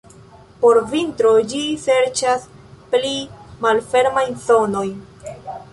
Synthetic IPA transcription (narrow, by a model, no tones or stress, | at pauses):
po̞ɾvintɾo̞d͡ʒise̞ɾt͡ʃasplimalfe̞ɾmajnzo̞no̞jn